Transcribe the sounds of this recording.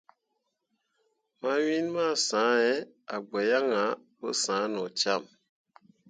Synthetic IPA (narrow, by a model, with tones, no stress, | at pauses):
ma˦wi˦nma˦˨sã˨˦ɛ˦ | a˨ɡ͡bɛ˨ja˦ŋa˨˦ | bo̰˦sã˨˦nɔ˨t͡ʃa˦˨m